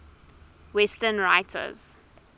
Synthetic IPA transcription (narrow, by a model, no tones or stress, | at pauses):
wɛstənɹaɪtʰə̰z̥